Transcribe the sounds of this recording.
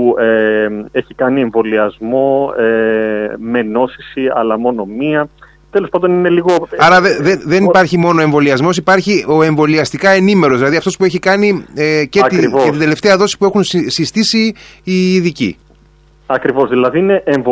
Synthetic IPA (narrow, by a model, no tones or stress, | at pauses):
ueeçikɐnie̞ɱvo̞liɐzmo̞e | me̞no̞sisiɐ̰lɐmo̞no̞miɐ | t̪elo̞spɐnd̪o̞nine̞liɣoɐɾɐðeðenðe̞nipɐɾçimo̞no̞e̞ɱvo̞liɐzmo̞sipɐɾçio̞e̞ɱvo̞liɐst̪ikɐe̞nime̞ɾozðilɐðiɐft̪ospue̞çikɐnieceɐt̪iveid̪ele̞ft̪e̞ɐðo̞si̥pue̞xunssist̪isiː | ðicḭ | ɐkɾivo̞zðilɐðiine̞ʔeɱvo